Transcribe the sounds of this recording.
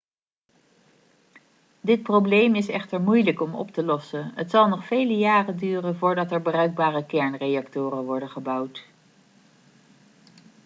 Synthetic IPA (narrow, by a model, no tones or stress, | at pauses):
dɪt̚prowblejmɪsɛχtəɹmujləkɔmɔ̰ptəlɔsənɦətsɑlˠnɔχfejləjaːrədyːrənvʊːɹdɑtɛɹbərœɥɡ̚baːrəkɛɹnrejɑktʊːrənʋɔɹdənχəbʌwt